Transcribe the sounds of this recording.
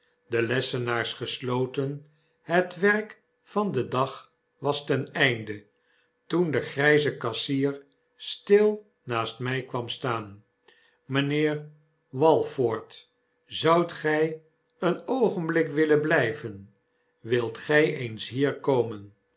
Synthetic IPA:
dəlɛsənaːɹsχəslowtən | ɦətʋɛrk | fɑndədɑχ | ʋɑstɛnɛjndə | tundəχrɛjzəkɑsiːr | stɪlˠ | naːstmɛjkʋɑmstaːn | mənɪːɹ | ʋɑlˠfoːɹt | zɑwtχɛj | ənowχənblɪkʋɪlənblɛjvən | ʋɪlˠtχɛjejnsɦiːɹkowmən

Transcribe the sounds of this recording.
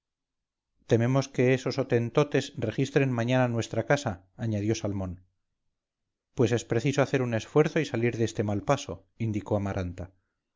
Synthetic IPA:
t̪e̞me̞mo̞ske̞eso̞sot̪e̞nt̪o̞t̪e̞sre̞χist̪ɾe̞nmaɲananwe̞st̪ɾakasaː | ɲað̞jo̞salmõ̞n | pwe̞se̞spɾe̞θisoaθe̞ɾune̞sfwe̞ɾθo̞isaliɾðe̞st̪e̞malpaso̞ | ind̪iko̞amaɾʔant̪a

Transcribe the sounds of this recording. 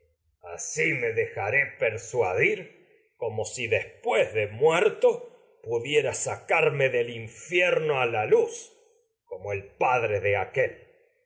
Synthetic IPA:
a̰simeðexaɾepeɾswaðiɾ | ko̞mo̞siðe̞spwezðemweɾt̪o̞ | puðje̞ɾasakaɾmeðeliɱfjeɾno̞alalus | komoelpaðɾeðeakel

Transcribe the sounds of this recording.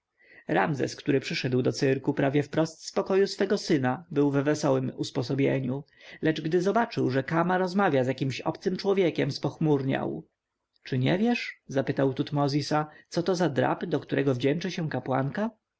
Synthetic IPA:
ɾa̰mzɛ̰skt̪uɾɘpʂɘʂɛd̪wd̪ɔt̪sɘɾkupɾavʲjɛfpɾɔst̪spɔkɔjusfɛɡɔsɘnabɘwvɛvɛsɔwɘmuspɔs̬ɔbʲjḛɲu | lɛd͡ʐɡd̪ɘzɔbat͡ʂɘwʐɛkamaɾɔzmavʲjazʲjakʲimɕɔ̰pt̪sɘmt͡ʂwɔvʲjekʲɛmspɔxmuɾɲa̰w | t͡ʂɘɲɛvʲjɛʂzapɘt̪awt̪ut̪mɔzʲisatsɔt̪ɔzad̪ɾa̰pɘd̪ɔkt̪uɾɛɡɔvd͡ʑɛnt͡ʂɘɕɛ̃kapwa̰ŋka

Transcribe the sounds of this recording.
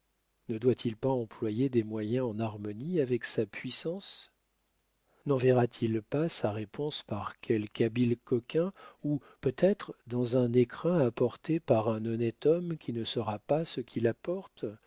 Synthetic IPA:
nəd̪wat̪ʰilpaɑ̃plwajed̪ɛmwajɛ̃ɑ̃naʁmɔniavɛksapɥisɑ̃s | nɑ̃vɛʁat̪ʰilpasaʁepʰɔ̃spaʁkʲʰɛlkabilkɔkʲɛ̃upøt̪ɛt̪χd̪ɑ̃zɛ̃nekχɛ̃apɔʁt̪epaʁɛ̃nɔnɛt̪ɔmkʲʰinəsəʁapasəkʰʲilapɔʁt̪

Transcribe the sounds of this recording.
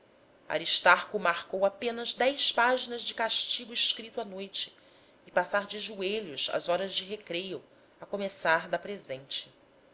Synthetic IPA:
a̰ɾiʃt̪aɾkʊmaɾkowapẽnɐzd̪ɛjspaʒinɐzd͡ʒɪkaʃt͡ʃiɡʊiʃkɾit̪ʊanojt͡ʃɪ̥ː | pasaɾd͡ʒɪʒueʎʊsa̰zɔɾɐzd͡ʒɪɦekɾeju | ɐkomesaɾd̪ɐpɾezẽnt͡ʃɪ̥

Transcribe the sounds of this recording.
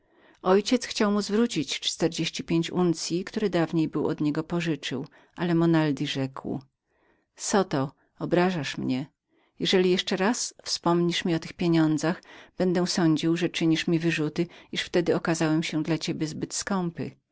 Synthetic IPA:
ʔɔjt͡ɕɛt̪sxt͡ɕawmuzvɾut͡ɕit͡ɕt͡ʂt̪ɛɾd͡ʑeɕt͡ɕipʲjeɲt͡ɕunt̪sʲjikt̪uɾɘd̪avɲejbɘwɔ̰d̪ɲɛɡɔpɔʐɘt͡ʂɘw | ʔalɛmɔnald̪ʲiʐɛkw | sɔt̪ɔ | ɔbɾaʐaʂmɲɛ | jɛʐɛlʲijɛʂt͡ʂɛɾasfspɔmɲiʂmʲiɔt̪ɘxpʲjeɲɔnd̪zaxb̥ɛnd̪ɛsɔɲd͡ʑiwʐɛt͡ʂɘɲiʂmʲivɘʐut̪ɘiʂft̪ɛd̪ɘɔkazawɛmɕɛd̪lat͡ɕebʲjɛzbɘt̪skɔmpɘ̰

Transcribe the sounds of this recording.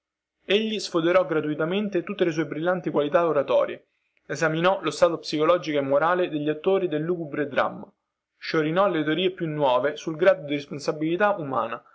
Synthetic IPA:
eʎːisfod̪eɾɔɡɾat̪uit̪ament̪et̪ut̪ːeles̬uːebɾilːant̪ikwalit̪aoɾat̪ɔ̰ːɾjḛ | ezaminɔlost̪aːt̪opsikolɔːd͡ʒikoemːoɾaːled̪eʎːat̪ːoːɾid̪elːuːɡubɾed̪ɾa̰mːa | ʃoɾinɔlet̪̬eoɾiːepjunːwɔːvesulɡɾaːd̪od̪iɾesponsabilit̪aʔuma̰ːna

